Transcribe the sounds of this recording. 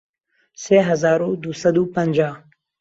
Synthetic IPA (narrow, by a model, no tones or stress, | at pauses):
seɦazɑːɾod̪usɐd̪upand͡ʒɑː